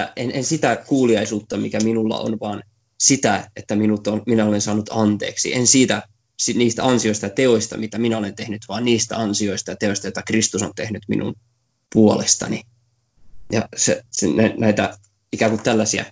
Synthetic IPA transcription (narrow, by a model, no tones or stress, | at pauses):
enʔensit̪ækuːliɑisuːt̪ːɑmikæminulːɑ̰o̰nʋɑːn | sit̪æet̪ːæminut̪onminæolensɑːnut̪ɑnt̪ḛːksḭʔensiːt̪æ | siniːst̪æɑnsioist̪ɑjɑt̪eoist̪ɑmit̪æminæolent̪ehnyt̪ʋɑːnniːst̪æ̰ɑnsioist̪ɑjɑt̪eoist̪ɑjoit̪ɑkrist̪usont̪ehnyt̪mḭnʔṵn | puolest̪ɑ̰ni | jɑ̰sḛsnænæit̪æ | ikæːŋkut̪t̪ælːæsiæ̰